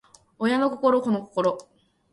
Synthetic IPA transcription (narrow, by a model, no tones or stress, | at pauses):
ojano̞ko̞ko̞ɾo̞ko̞no̞ko̥ko̞ɾo